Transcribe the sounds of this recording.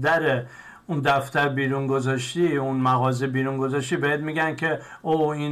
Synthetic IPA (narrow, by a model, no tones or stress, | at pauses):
d̪æɾe | und̪æft̪æɾbiːɾunɡozɒːʃt̪iunmæɣɒːzibiːɾuŋɡo̞zɒʃt̪iːbjæd̪̚miɡænkʰe | oin